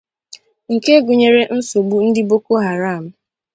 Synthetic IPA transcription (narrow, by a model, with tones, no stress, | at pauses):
ŋ̩˨ke˦ɡu˨ɲe˨ɾe˦n̩˦so˨ɡ͡bu˦n̩˦dɪ˦bo˦ko˦ɦa˨ɾa˦˨m̩˦